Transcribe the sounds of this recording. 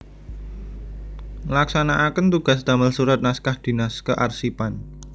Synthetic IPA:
laksanaʔakənt̪uɡ̥a̤s̬d̪̥a̤məlsuɾat̪̚naskahd̪̥i̤naskəʔarsipan

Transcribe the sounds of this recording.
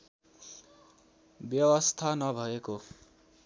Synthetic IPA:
bjʌwʌst̪ʰanʌbʱʌeko

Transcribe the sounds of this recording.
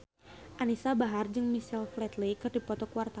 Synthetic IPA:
ʔanisabaɦard͡ʒɨŋmisɛlflɛt̪likɨrdipɔt̪ɔkuwart̪a

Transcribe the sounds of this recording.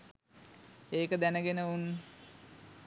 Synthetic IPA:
eːkəd̪ænəɡenəunː

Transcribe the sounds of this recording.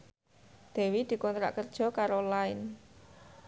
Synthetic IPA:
d̪̥e̤wid̪̥i̤kɔnt̪ɾa̰ʔkərd̥ʒ̥ɔ̤kaɾolaɪn

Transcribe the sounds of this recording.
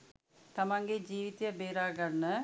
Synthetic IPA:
t̪ɐmɐŋɡed͡ʒiːʋit̪jɐbeːɾaːɡɐɳːɐ

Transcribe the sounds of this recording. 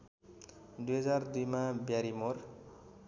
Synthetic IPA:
d̪ujɦʌd͡zard̪ujmabjaɾimor

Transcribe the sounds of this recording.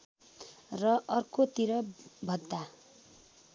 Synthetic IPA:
rʌʔʌrkot̪iɾʌbʱʌd̪ːa

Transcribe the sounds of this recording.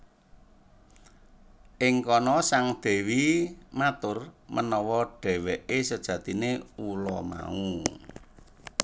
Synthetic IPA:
ʔɪŋkɔnɔsaŋd̪̥ɛ̤wimat̪ʊrmʔənɔwɔɖ̥ɛ̤wɛʔesəd̥ʒ̥ä̤t̪ineulɔma̰u

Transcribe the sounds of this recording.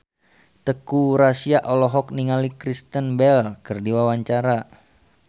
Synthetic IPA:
t̪əkuɾasiaʔɔlɔɦɔk̚niŋalikɾist̪ənbɛlkərdiwawaɲt͡ʃaɾa

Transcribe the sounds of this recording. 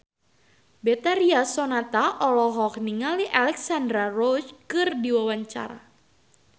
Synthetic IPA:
bɛt̪aɾiasɔnat̪aʔɔlɔɦɔkniŋaliʔalɛksand̪ɾarɔt͡ʃkɨrdiwawaɲt͡ʃa̰ɾa̰

